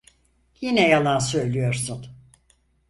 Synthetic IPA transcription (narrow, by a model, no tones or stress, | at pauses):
jinɛjalˠansø̞jlʲyjo̞ɾsun